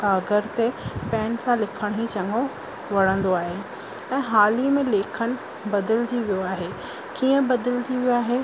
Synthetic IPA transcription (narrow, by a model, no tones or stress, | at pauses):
aːɡəɾt̪epɛ̃ːnsãlɪkʰəɽ̃it͡ɕɐŋo | ʋɐɽ̃ə̃nd̪oaːɦe | ɛ̃ːɦaːlimẽleːkʰənɪ̆ | bɐd̪əld͡ʑiːʋijoaːɦeː | kiːə̃bɐd̪əld͡ʑiːʋijoaːɦe